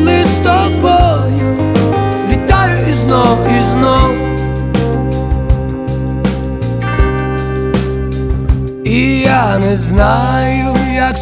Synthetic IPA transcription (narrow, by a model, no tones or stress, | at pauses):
lizd̪ɔbɔj | vʲɪt̪ajʊiznɔwiznɔw | ijanɛznajʊjak